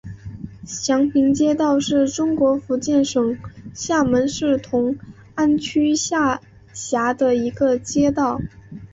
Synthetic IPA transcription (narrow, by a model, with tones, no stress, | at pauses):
ɕjɑ˧˥ŋpʰi˧˥ŋt͡ɕjɛ˥t̪ɑ˥˧ʊʂɻ̩˥˩ʈ͡ʂʊ˥ŋkwɔ˧˥fu˧˥t͡ɕjɛ˥˩nʂɤ˨˩ŋɕja˥˩mə˧˥nʂɻ̩˥˩t̪ʰʊ˧˥ŋ | a˥˩nt͡ɕʰy˥ɕja˥˩ | ɕja˧˥d̪ə˧i˧˥ɡə˧t͡ɕjɛ˥t̪ɑ˥˩ʊ